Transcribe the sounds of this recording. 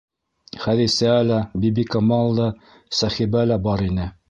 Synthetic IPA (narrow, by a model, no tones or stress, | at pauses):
χæðisælæbibikɑmɑlˠd̪ɑ | sæχibælæbɑɾinɘ